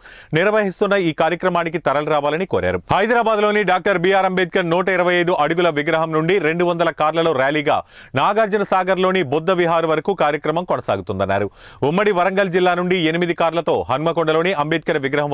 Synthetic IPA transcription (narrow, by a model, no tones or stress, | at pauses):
niɾʋɐɦist̪unːɐiːkaːɾjɐkɾɐmaːnik̬it̪ɐɾɐluɾaːʋaːlɐnikoːɾa̰ːɾuhɐjd̪ɾaːbaːd̪lo̞ːniɖaːk̚ʈɐɾbijaːɾɐmbeːd̪̚kɐnnɔːʈɐiɾɐʋɐjɐjd̪uʔɐɽuɡulɐʋiɡɾɐɦɐmnuɳɖiɾe̞ɳɖuʋɐnd̪ɐlɐkaːɾlɐlo̞ːɾjaːliːɡa̰ː | naːɡaɾd͡ʒɐnɐsaːɡɐɾlo̞ːnibod̪ːɐʋiɦaːɾuʋɐɾɐkukaːɾjɐkɾɐmɐmkonɐsa̰ːɡut̪und̪ɐnːa̰ːɾuumːɐɽiʋɐɾɐŋɡɐld͡ʒilːaːnuɳɖienimid̪ikaːɾlɐt̪o̞ːɦɐnmɐkɔɳɖɐloːniʔɐmbeːd̪̚kɐɾɐʋiɡɾɐɦɐm